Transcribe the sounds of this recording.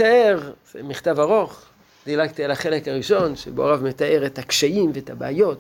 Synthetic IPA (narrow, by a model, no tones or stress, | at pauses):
aeʁz̥emiχt̪avaʁo̞χ | d̥̪ilaɡ̚t̪ialaχe̞lekaʁiʃo̞nʃebeo̰ʁavmet̪aʔe̞ʁethakʃaimveethabeajo̞t